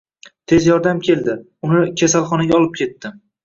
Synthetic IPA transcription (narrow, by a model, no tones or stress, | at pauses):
t̪ʰe̞zjɒɾd̪amkʲʰe̞ld̪ɪ | ʊnɪkʲʰasalˠχɒnaɡʲaɒlˠɪp̚kʲʰe̞t̪ːɪ